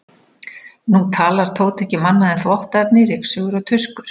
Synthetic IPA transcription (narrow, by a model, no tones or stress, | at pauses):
nut̪ʰaːlaɾ̥t̪ʰoːwt̪ʰɛhcɪmanːaðɛθvɔht̪aɛpnɪɾejksʏɣʏɾɔwt̪ʰʏskʏɾ̥